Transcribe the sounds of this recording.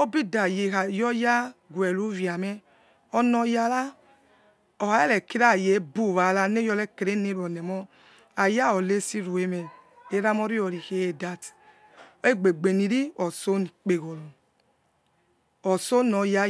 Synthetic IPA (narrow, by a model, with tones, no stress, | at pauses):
o˦bi˦da˨je˨a˨jɔ˦ja˦ɡwɛ˨lu˦vi˨a˨mɛ˦ | ɔ˦nɔ˧ja˧la˦ | ɔ˨ha˨˦ɛ˦lɛ˨ki˦ɾa˦˨je˨˦bu˦˨βa˨la˧ne˦jɔ˧le˦ke˨ɾe˦ne˦ɾu˨ɔ˨nɛ˨mɔ˦ | a˨ja˦ɔ˨le˦si˦ɾu˨e˨mɛ˨ | e˨˦ɾa˦mɔ˦˧ɾi˦ɔ˨ɾi˨ke˨e˨da˨t | e˦ɡ͡be˨ɡ͡be˨ni˨ɾi˦ɔ˨so˦ni˨k͡pe˨ɣo˨lu˨ | ɔ˨so˦nɔ˨ja˦